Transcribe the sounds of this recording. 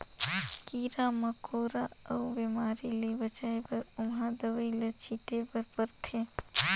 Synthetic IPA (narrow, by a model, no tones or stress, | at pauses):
kiːɾaːmɐkʰoːɾaɐbemaːɾilibɐt͡ʃaepɐɾʊmɦãːd̪ɐʋəilɐt͡ʃʰiʈepɐɾpɐɾt̪ʰeː